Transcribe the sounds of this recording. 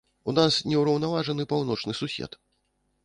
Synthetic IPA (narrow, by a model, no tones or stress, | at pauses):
unasnʲɛwɾɐwnavaʐɐnɨpawn̪ɔt͡ʂnɨsusʲɛ̰t̪